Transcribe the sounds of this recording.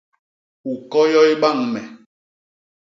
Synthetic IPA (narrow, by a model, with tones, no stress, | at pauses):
u˨kɔ˦jɔ˦i˦ɓa˦˨ŋmɛ˨